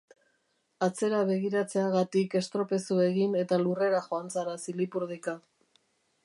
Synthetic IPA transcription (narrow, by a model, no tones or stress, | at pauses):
at͡se̞ɾaβe̞ɣ̞iɾat͡se̞aɣat̪ike̞st̪ɾo̞pe̞sue̞ɣine̞t̪alure̞ɾaxo̞ant͡saɾasilipuɾðika